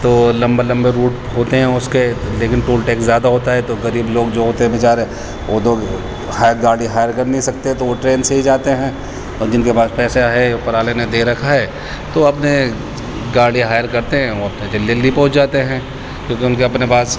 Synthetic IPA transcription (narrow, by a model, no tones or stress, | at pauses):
t̪oːlɐ̃mbelɐ̃mbeɾuːʈ | ɦoːt̪eɦɛ̃ʊskeleːkɪnʈoːlʈɛːkszjaːd̪aɦoːt̪aɦɛt̪oɣɐɾiːbloːɡd͡ʒoːɦoːt̪eɦɛ̃bɪt͡ʃaːɾɛ | oːd̪oːɡ | haːɡaːɽiɦaːjəɾkɐɾnɐɦĩsɐk̚t̪eɦɛ̃t̪oʋoʈɾeːnseɦid͡ʒaːt̪eɦɛ̃ | ɔːd͡ʒɪnkepaːspɛːseaɦeopɐɾaːlened̪eːɾɐkʰaɦɛː | t̪oɐpne | ɡaːɽiɦaːjəɾkɐɾt̪eɦɛ̃oɐpned͡ʒɐlːelipɐ̃ɦʊt͡ʃd͡ʒaːt̪eɦɛ̃ː | kjõːkeʊnkeɐpnepaːs